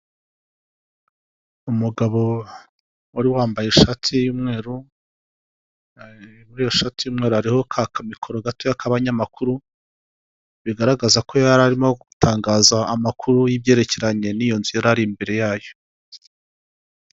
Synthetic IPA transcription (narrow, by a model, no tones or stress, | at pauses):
umuɡaβo̞ | waɾiwaːmbajeʃatʰijuːmŋe̞ːɾu | muɾiːjoʃatijuːmŋe̞ɾuhaɾiho̞kʰakʰamikʰo̞ɾoɡato̞jakʰaβaɲamakuɾu | βiɡaɾaɡazako̞jaɾaɾimoɡutʰaːŋɡaːzaːmakʰuɾujibjeːɾe̞ce̞ɾaɲe̞nijo̞nzujeɾaɾimbe̞ɾe̞jaːjo̞